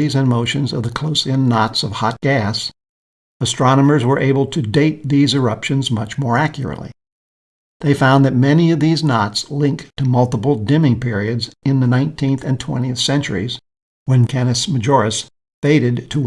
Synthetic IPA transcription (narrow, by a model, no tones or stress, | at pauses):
izɨ̃nmoʊʃɨ̃nzʌ̰vðɨkʰl̥oʊsɪ̃nːɑtsʌv̥hɑt̚ɡ̥æs | əstɹ̥ɑnəmə˞zwə˞ʔeɪbl̩ˠtʰɨdeɪt̪̚ðizɨ˞ʌpʃɨ̃nzmʌt͡ʃmɔɹækʰjə̰˞ɨ̰ʔlḭ | ðeɪfãʊ̃nðɨt̚mɛniʌvðiznɑtslɪ̃ŋktʰɨmʌlˠtəpl̩ˠdɪ̃mɪ̃ŋpʰɪɹiɨdzɨ̃nðɨnãɪ̃ntʰĩnθɨ̃ntʰw̥ɛ̰̃ɾ̃iɨθsɛ̃nt͡ʃə̰˞iz | wɨ̃nkʰænɨsmɨd͡ʒɔɹɨs | feɪɾɨd̚tʰə